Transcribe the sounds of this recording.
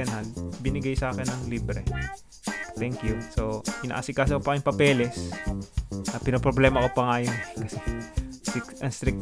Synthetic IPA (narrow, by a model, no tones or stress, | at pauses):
ɛnalbɪnɪɡajsɐʔaːkɛnːɐŋliːbɾɛ | t̪ɛŋkjusoʔɪna̰ʔasɪkaːs̬ɐkopɐɪŋpɐpɛːlɛs | ʔɐpɪnopɾoblɛːmɐkopɐŋaːjonkɐsɛ | ɪkʔɐŋst̪ɾɪk̚